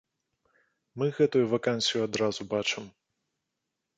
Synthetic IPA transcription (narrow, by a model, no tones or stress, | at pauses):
mɨɣɛt̪ujuvɐkanʲsʲijuad̪ɾazubat͡ʂɨm